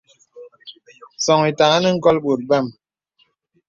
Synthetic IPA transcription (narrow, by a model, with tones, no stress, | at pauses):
sɔ˨ŋi˨ta˨ŋa˦nə˦ŋ̩˦kɔ˦lɓu˨t̚ba˦˨m